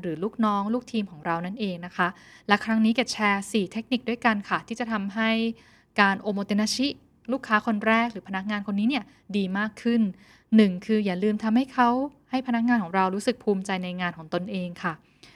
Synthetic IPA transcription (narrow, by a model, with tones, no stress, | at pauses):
ɾɯː˩˦luː˥˩k̚nɔː˦˥ŋluː˥˩k̚t̪ʰiː˧mkʰɔː˩˦ŋɾa˧wna˥˩nʔeː˧ŋna˦˥kʰa˦˥lɛ˦˥kʰɾa˦˥ŋniː˦˥ke˨˩t͡ɕʰɛː˧siː˨˩t̪ʰe˦˥k̚ni˨˩k̚du˥˩əjka˧nkʰa˥˩t̪ʰiː˥˩t͡ɕa˨˩t̪ʰa˧mɦa˥˩j | kaː˧nʔoː˧moː˧t̪e˧na˦˥t͡ɕʰi˦˥ | luː˥˩kʰːaː˦˥kʰo˧nɾɛː˥˩k̚ɾɯː˩˦pʰa˧na˦˥k̚ŋaː˧nkʰo˧nːiː˦˥ni˥˩ɐ | diː˧maː˥˩kʰːɯ˥˩nː | ɯ˨˩ŋkʰɯː˧jaː˨˩lɯː˧mt̪ʰa˧mha˥˩jkʰa˦˥wha˥˩jpʰa˧na˦˥k̚ŋaː˧nkʰɔː˩˦ŋɾa˧wɾuː˦˥sɯ˨˩k̚pʰuː˧mt͡ɕa˧jna˧jŋaː˧nkʰɔː˩˦ŋt̪o˧nʔeː˧ŋkʰa˥˩